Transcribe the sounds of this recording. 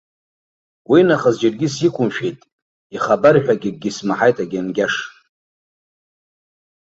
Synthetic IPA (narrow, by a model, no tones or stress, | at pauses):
winaχəzd͡ʒarɡʲisikʷʰʼʊmʃᶣejtʼ | iχabarħᶣaɡʲɪɡ̚ːʲismaħajtʼaɡʲanɡʲaʂ